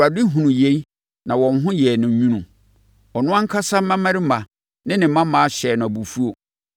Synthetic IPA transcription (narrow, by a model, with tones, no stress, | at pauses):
a˨dɪ˦ɦũ˨nũ˨je˦i˦ | nã˨wɔ̃˨nɦʊ̃˦jɛ˨nɪ̃˨˦ɲũ˦nũ˨ | ɔ˨nʊ̃˦ã˦ŋ̩˦kʰa˦sa˦mã˦mã˦ɾɪ˦mã˨ | nɪ̃˦nɪ̃˨˦mã˦mãː˨˦a˦ɕɛː˨nʊ̃˨a˨bu˨fu˦o˨